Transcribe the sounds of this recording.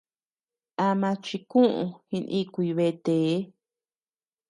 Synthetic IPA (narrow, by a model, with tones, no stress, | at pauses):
a˧mã˧t͡ʃi˧kũ˦ʔṵ̃˧hĩ˧nʔĩ˦kʷi˧βe˦˧t̪eː˨˦